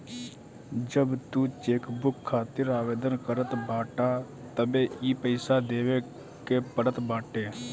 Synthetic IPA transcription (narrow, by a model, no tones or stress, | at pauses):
d͡ʒəbt̪uːt͡ʃeːkbʊkʰːaːt̪ɪɾaːʋeːd̪ənkəɾət̪baːʈaː | t̪əbeːiːpəɪsad̪eːʋeː | kepəɽət̪baːʈeː